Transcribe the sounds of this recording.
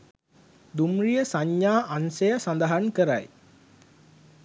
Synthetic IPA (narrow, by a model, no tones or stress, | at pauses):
d̪umrijəsaɲːaːʔansejəsand̪aɦankəɾa̰j